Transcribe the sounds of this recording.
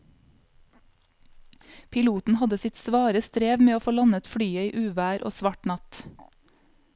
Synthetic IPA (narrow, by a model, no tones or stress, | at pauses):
pʰɪluːt̪n̩hɑd̪əsɪt̪sʋɑːɾəst̪ɾeːʋmeːoːfoːlɑnət̪fɽyːəiːʔʉːʋæːɾʔo̰ːsʋɑʈnɑt̪